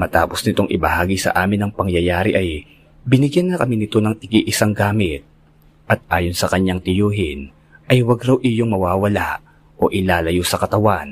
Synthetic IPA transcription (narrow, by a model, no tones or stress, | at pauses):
mɐt̪aːpo̞snɪt̪oŋʔɪ̰bɐhaːɡisɐ̰ʔaːmɪnːɐŋpɐŋjɐjaːɾɪʔɐj | bɪnɪɡjanːɐkɐminɪt̪o̞nɐŋt̪ɐɡiʔɪsaŋɡaːmɪt̪̚ | ʔɐt̪̚ʔaːjonsɐkɐɲːaŋt̪ɪjoːɦɪn | ʔɐjwɐɡɾawʔɪjoŋmɐwaːwɐlaʔ | o̞ʔɪlaːlɐjosɐkɐt̪ɐwan